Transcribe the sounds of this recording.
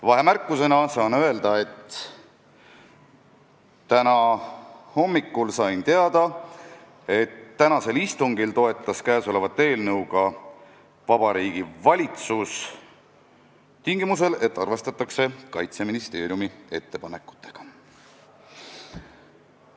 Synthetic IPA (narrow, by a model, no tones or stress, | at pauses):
vɑɦe̞mærkˑːuse̞nɑsɑːnøe̞ld̪̥ɑe̞t̪ː | t̪ːænɑ | ho̞mːikːˑulsɑjnt̪e̞ɑd̪̥ɑ | e̞t̪ːænɑse̞list̪uŋɡilt̪o̞e̞t̪ˑːɑskæːso̞le̞vɑt̪ːˑe̞ːlnɤwɡ̥ɑ | vɑb̥ɑɾiːɡ̥ivɑlʲit̪sus | t̪iŋɡ̥imus̬e̞le̞t̪ːˑɑrve̞st̪ɑt̪ːˑɑkse̞kɑjt̪se̞minist̪e̞ːɾjumie̞t̪ːe̞pɑne̞kːˑu̥t̪ːˑe̞̥ɡ̥ɑ̥